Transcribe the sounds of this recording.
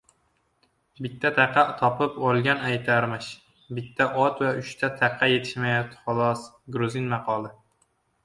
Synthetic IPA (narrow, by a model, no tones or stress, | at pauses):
bɪt̪ʰːat̪ʰaqʰːɑt̪ʰɒpʰɪpolˠɡʲanajt̪ʰaɾmɪʃ | bɪt̪ʰːaʔɒt̪vaʊʃt̪ʰat̪ʰæqʰːɑje̞t̪ʰɪ̥ʃmajɒt̪ʰχʊlˠɒs | ɡɾʊzɪnmɑqʰɒlˠɪ